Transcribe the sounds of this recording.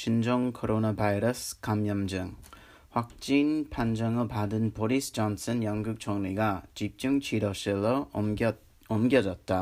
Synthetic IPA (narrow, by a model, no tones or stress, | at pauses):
ɕind͡ʑoŋkʰoɾonabajɾʌskamjʌmd͡ʑɯŋ | ɸwak̚t͡ɕ͈inpʰand͡ʑʌŋɯɭpadɯnboɾisd͡ʑʌnsʰɯnjʌŋɡuk̚t͡ɕʰoŋniɡat͡ɕip̚t͡ɕ͈uŋt͡ɕʰiɾʌɕilʌ | ʌmɡjʌd͡ʑʌt̚t͈a